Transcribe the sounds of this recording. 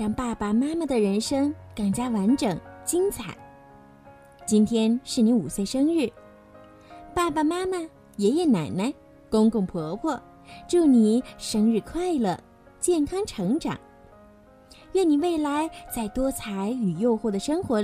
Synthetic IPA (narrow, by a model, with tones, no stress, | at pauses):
ɻɑ˥˩ŋpa˥˩pa˨˩ma˥ma˨˩d̪ə˩ɻə˧˥nʂɤ˥ŋka˨˩ŋt͡ɕja˥wa˧˥nʈ͡ʂɤ˨˩ŋt͡ɕi˥ŋt͡sʰa˨˩˦n | t͡ɕi˥nt̪ʰjɛ˥nʂɻ̩˥˩ni˧˥u˨˩swe˥˩ɪʂɤ˥ŋɻɻ̩˥˩ | pa˥˩pa˨˩ma˥ma˨ | jɛ˨˥jɛ˧˩na˨˩na˧˥ɪ | kʊ˥ŋkʊ˥˩ŋpʰɔ˧˥pʰwɔ˥˩ | ʈ͡ʂo˥˩ʊni˨˩˦ʂɤ˥ŋɻɻ̩˥˧kʰwa˥˩ɪlə˥˩ | t͡ɕjɛ˥˩nkʰɑ˥ŋʈ͡ʂʰɤ˧˥ŋʈ͡ʂɑ̰˨˩˦ŋ | ɥɛ˥˩ni˨˩we˥˩ɪla˧˥ɪt͡sa˥˩ɪt̪wɔ˥t͡sʰa˧˥ɪy˨˩jo˥˧ʊxwɔ˥˩d̪ə˩ʂɤ˥ŋxwɔ˧˥